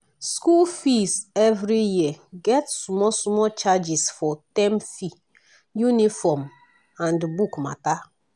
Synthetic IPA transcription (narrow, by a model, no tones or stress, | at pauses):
skulfisɛvɾijiəɡɛtsmɔsmɔt͡ʃad͡ʒisfɔtɛ̃mfi | junifɔm | ãndbukma̰ta